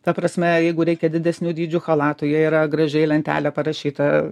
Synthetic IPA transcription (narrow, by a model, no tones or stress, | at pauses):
t̪ɐpɾɐsʲmʲɛjɛɪɡʊɾʲɛɪkʲɛd̪ʲɪd̪ʲɛsʲnʲuːd̪ʲiːd͡ʒʲʊxɐlˠɑːt̪ʊjɛiːɾɐɡɾɐʒʲɛɪlʲɛnʲt̪ʲæ̰ːlʲɛpɐɾɐʃʲiːt̪ɐ